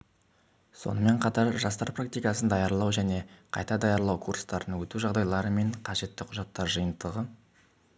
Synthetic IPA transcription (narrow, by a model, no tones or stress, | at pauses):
so̞̰nəme̞ɴqʰɑt̪ɑɾʒɑst̪ɑɾprak̚t̪ijkɑsənd̪ɑjɑɾlˠɑwʒæne̞qʰɑ̰jt̪ɑd̪ɑjɑɾlˠɑwkʰuɾst̪ɑɾənwɵt̪uʒɑʁd̪ɑjlˠɑɾəme̞ɴqʰɑʒe̞t̪ːɪqʰʊʒɑt̪ːɑɾʒəjənd̪əʁə